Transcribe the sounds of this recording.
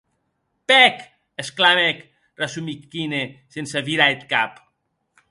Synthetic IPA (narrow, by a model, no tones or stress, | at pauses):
pɛk | esklamek | resumikːinesensaβiɾaet̪̚kap